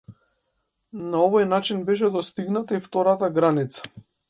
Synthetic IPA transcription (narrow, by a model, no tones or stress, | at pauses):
naɔvɔjnat͡ʃinbɛʃ̬ɛd̪ɔst̪iɡnat̪aift̪ɔɾat̪aɡɾanit̪sḁ